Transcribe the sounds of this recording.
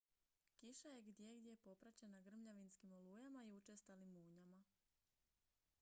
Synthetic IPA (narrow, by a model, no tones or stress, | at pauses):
kiʃajeɡd̪je̞ɡd̪je̞po̞pɾat͡ɕe̞naɡr̩mʎaʋinskimoluːjamaiut͡ʃest̪alimuːɲama